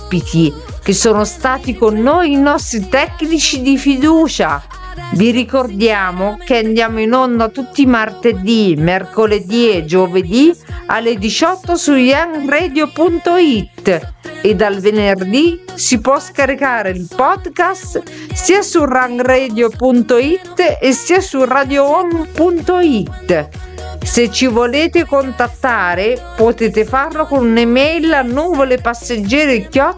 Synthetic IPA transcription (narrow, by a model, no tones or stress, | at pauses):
piki | k̟esːoːnost̪aːt̪ikonːojinɔst̪ɾit̪ɛkːnit͡ʃid̪ifid̪uːt͡ʃa | viɾikord̪jaːmokeand̪jaːmoinond̪at̪ut̪ːimart̪ed̪imɛrkoled̪iɛd͡ʒoved̪ia̰lːed̪it͡ʃɔt̪ːosujaŋɡrɛːd̪jopunt̪oit̪ːed̪alvenerd̪isipwɔskaɾikaːɾeilpɔd̪kast̪siːasuraŋɡrɛːd̪jopunt̪oit̪ːesːiːasurad̪joonpunt̪oit̪ː | set͡ʃːivoleːt̪ɪkont̪at̪ːaːɾepot̪eːt̪ɪfarlokonunemɛjlanːuːvolepasːed͡ʒːɛːɾekjɔ